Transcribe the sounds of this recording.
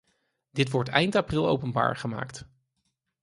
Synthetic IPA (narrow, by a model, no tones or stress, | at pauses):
d̥ɪtʋɔɹtɛjntaprɪlˠo̰wpənba̰ːɹχəma̰ːkt